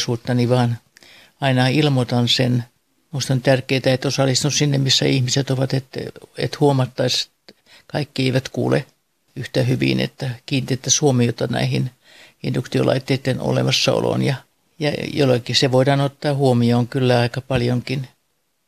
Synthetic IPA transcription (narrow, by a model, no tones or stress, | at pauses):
suːt̪ːɑniʋɑːn | ɑinɑilmot̪ɑnsen | muist̪ɑnt̪ærkeːt̪æet̪ːosɑlist̪nussinːemmisːæihmiset̪oʋɑt̪et̪ḛt̪huomɑt̪ːɑise̥t̪ | kɑikːieiʋæt̪kṵːlḛ | yht̪æhyʋḭnḛt̪ːækiːnit̪ːet̪ːæsuomiot̪ɑnæ̰ihin | indukt̪io̰lʔɑ̰it̪ːeit̪ːeno̰lḛmɑsːɑo̰lo̰njɑ | jɑ̰jo̰lːekiseʋoidɑːnot̪ːɑːhuomioːŋkylːæɑikɑpɑljoŋkin